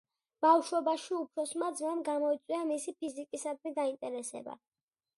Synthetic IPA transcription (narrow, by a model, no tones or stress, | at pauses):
b̥afʃɔbaʃiupʰɾɔsmad̪zmamɡamɔit̪sʼwiamisipʰizikʼisad̪mɛd̪aint̪ʼɛɾɛsɛ̰ba̰